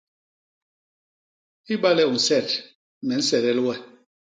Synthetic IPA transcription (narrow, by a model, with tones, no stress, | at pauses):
i˦ba˦lɛ˦˨u˨n̩˨sɛ˦˨t | mɛ˨n̩˦sɛ˨ɾɛ˦lwɛ˦